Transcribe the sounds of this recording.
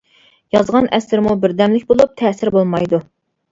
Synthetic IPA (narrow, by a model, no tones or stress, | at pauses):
jɑzʁɑnʔɛsɾmubɪɾd̪ɛmlɪkʲbolˠup̚t̪ʰɛːsɪɾbolˠmɑjd̪u